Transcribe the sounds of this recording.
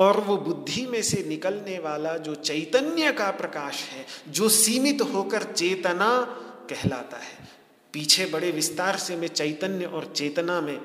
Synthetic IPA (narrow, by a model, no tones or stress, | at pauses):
ɔːɾʋobʊd̪ʱːimẽsenɪkəlneʋaːlad͡ʒoːt͡ʃɐɪt̪ənjəkapɾɐkaːʃɦɛːd͡ʒoːsiːmɪt̪ɦoːkəɾt͡ʃeːt̪nakɛɦla̰ːt̪a̰ɦɛː | piːt͡ʃʰebɐɽeʋɪst̪aːɾsemẽt͡ʃɐɪt̪ənjəʔɔːɾt͡ʃeːt̪namẽ